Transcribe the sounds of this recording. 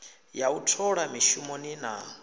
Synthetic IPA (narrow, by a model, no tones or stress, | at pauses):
jautʰɔɺamiʃumɔnina̰